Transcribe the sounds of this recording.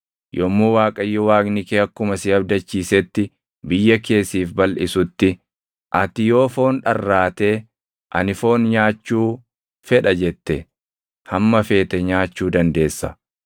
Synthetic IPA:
jɔmːuːwaːkʼɐjːɔwaːɡnɪkeːɐkːʊmɐsɪɐbd̪ɐt͡ʃːiːsɛt̪ːɪ | bɪjːɐke̞ːsːiːfbɐlʔɪsʊt̪ːɪ | ʔɐt̪ɪjo̞ːfo̞ːnᶑɐrːaːt̪e̞ː | ʔɐ̰nɪfo̞ːnɲaːt͡ʃːuː | fɛᶑɐd͡ʒɛt̪ːɛ | hɐmːɐfe̞ːt̪ɛɲaːt͡ʃːuːd̪ɐnd̪e̞ːsːɐ

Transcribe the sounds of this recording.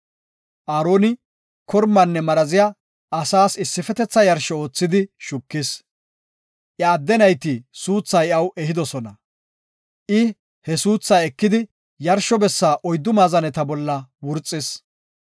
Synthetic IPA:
ʔaːɾo̞ːnɪ | kʰɔɾmːɐnːɛmɐɾɐzɪja | ɐsaːsɪsːɪfɛt̪ɛt͡sːɐjɐɾʃɔo̞ːt͡sːɪd̪ɪʃʊkːɪs | ʔjɐːd̪ːɛnɐjt̪ɪsuːt͡sːɐjɐwʔɛhɪd̪ɔsɔnɐ | ʔɪ | hɛsuːt͡sːɐɛkːɪd̪ɪ | jɐɾʃɔbɛsːaːʔɔjd̪ːʊmaːzɐnɛt̪ɐbɔlːɐwʊɾt͡sʼːɪs

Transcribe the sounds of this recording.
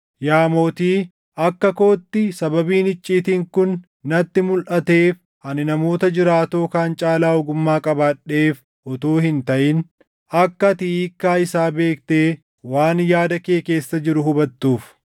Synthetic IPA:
jaːmo̞ːt̪iː | ɐkːɐko̞ːt̪ːɪsɐbɐbiːnɪt͡ʃʼːiːt̪iːŋkʊnː | ɐt̪ːɪmʊlʔɐt̪e̞ːf | ɐnɪnɐmo̞ːt̪ɐd͡ʒɪɾaːt̪o̞ːkaːnt͡ʃʼaːlaːɔɡʊmːaːkʼɐbaːᶑːe̞ːf | ʔɔt̪o̞ːhɪnt̪ɐʔɪn | ɐkːɐt̪ɪiːkːaːɪsaːbe̞ːkt̪e̞ː | waːnjaːd̪ɐkeːke̞ːsːɐd͡ʒɪɾʊɦʊbɐt̪ːuːf

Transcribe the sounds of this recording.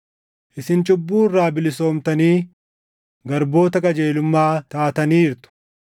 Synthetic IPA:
ʔɪsɪnt͡ʃʼʊbːuːrːaːbɪlɪso̞ːmt̪ɐniː | ɡɐɾbo̞ːt̪ɐkʼɐd͡ʒe̞ːlʊmːaːt̪aːt̪ɐniːɾt̪ʊ̥

